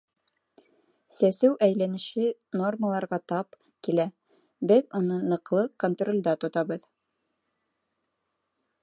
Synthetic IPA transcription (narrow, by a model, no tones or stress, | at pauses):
sæsɘwʔæjlænɘ̆ʃɘno̞rməlˠɑɾʁɑt̪ɑp̚ | kilæ | bɘðunɤnɤ̆qlˠɤkont̪rolʲd̪ɑt̪ŏt̪ɑβɤð